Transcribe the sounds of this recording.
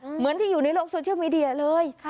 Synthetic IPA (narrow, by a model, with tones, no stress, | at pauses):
mɨ˨˦nt̪i˨˧˩ju˨˩nə˨˦lɔ̰˧˥˦ŋso˧t͡ɕi˧˦wmi˧ɗi˧˨aː˨˩ləː˧j